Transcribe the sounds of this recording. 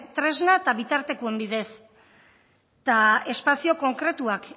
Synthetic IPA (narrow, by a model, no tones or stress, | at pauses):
t̪ɾe̞znat̪aβit̪aɾt̪e̞kue̞mbiðe̞s | t̪ae̞spasio̞ko̞ŋkɾe̞t̪uak